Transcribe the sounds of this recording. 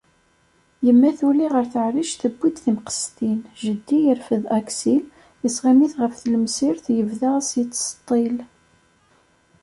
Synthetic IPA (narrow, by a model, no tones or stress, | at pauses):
jəmːæθuliʁəɾθəʕriʃθəbːid̪θimqə̥st̪inʒəd̪ːijəɾfəðæksil | əsʁimiθʁəfθləmsiɾθjəvðasit͡s̪ːst̪ˤːil